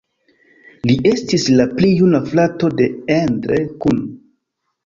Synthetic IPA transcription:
liʔe̞stislaplijunaflato̞de̞endɾekun

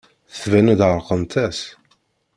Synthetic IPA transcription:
θθvænæd̪ʕəɾˤqənt̪æs

